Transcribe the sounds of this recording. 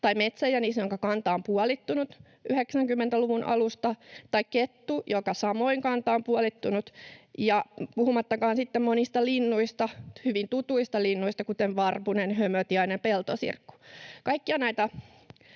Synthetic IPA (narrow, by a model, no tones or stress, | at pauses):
t̪ɑimet̪sæjɑniːsjoŋkɑkɑnt̪ɑompuɑlit̪ːunut̪ | yheksæŋkymːent̪æluʋunʔɑ̰lust̪ɑt̪ɑikket̪ːujokɑsɑmoiŋkɑnt̪ɑompuɑlit̪ːunut̪jɑpuhumɑt̪ːɑkɑːnsit̪ːemmonist̪ɑlinːuist̪ɑhyʋint̪ut̪uist̪ɑlinːuist̪ɑkut̪enʋɑrpunenhømøt̪iɑinempelt̪o̰sḭrkːu̥kɑikːiɑnæit̪æ